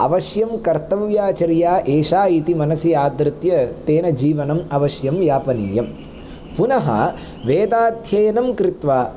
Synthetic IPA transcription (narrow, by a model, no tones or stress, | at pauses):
ɐ̰ʋɐʃjɐmkɐɾt̪ɐʋjaːt͡ʃɐɾjaːʔeːʂaːit̪imɐnɐsijaːd̪ɾɪt̪jɐt̪eːnɐd͡ʒiːʋɐnɐmɐʋɐʃjɐmjaːpɐniːjɐm | punɐɦɐ̰ | ʋeːd̪aːd̪ʱjɐjɐnɐmkɾit̪ʋaː